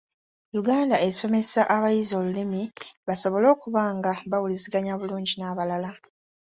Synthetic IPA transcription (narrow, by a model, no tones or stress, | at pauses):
juɡaːndae̞so̞me̞saʔaβajizo̞ːlulimiβaso̞βo̞lo̞ːkuβaːŋɡaβawuliziɡaɲaβuluːɲɟinaːβalala